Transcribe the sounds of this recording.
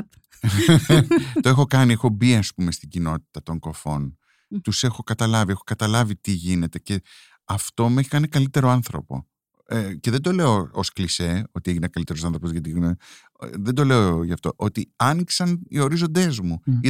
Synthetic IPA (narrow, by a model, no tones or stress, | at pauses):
t̪o̞e̞xo̞kɐnie̞xo̞biɐspume̞st̪iɟino̞t̪i̥t̪ɐt̪o̞ŋɡo̞fo̞n | t̪use̞xo̞kɐt̪ɐlɐviexo̞kɐt̪ɐlɐvit̪iʝine̞t̪e̞ce̞ | ɐft̪o̞mueçi̥kɐnikɐlit̪e̞ɾo̞ɐnθɾo̞po̞̰ | ce̞ðend̪o̞le̞oosklise̞o̞t̪ie̞ʝinekɐlit̪e̞ɾo̞sɐnθɾopozʝɐt̪ino | ðend̪o̞le̞ooʝɐft̪o̞ʔo̞t̪iɐniksɐnio̞ɾizo̞nd̪e̞zmui